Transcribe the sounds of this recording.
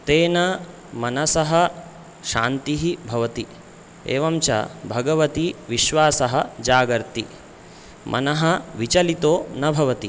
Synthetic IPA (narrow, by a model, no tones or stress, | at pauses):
t̪eːnɐ | mɐnɐsɐɦɐ | ʃaːnt̪iɦibʱɐʋɐt̪i | ḛːʋɐmt͡ʃɐ̰bʱɐɡɐʋɐt̪iʋiʃʋaːsɐɦɐ̆d͡ʒaːɡɐɾt̪i | mʔɐ̰nɐɦɐ̆ʋit͡ʃɐlit̪oːnɐbʱɐʋɐt̪i